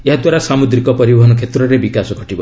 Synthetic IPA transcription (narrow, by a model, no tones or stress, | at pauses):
eɦad̪waɾasamud̪ɾikɔpɔɾibɔɦɔnɔkʰet̪ɾɔɾebikasɔɡʱɔʈibɔ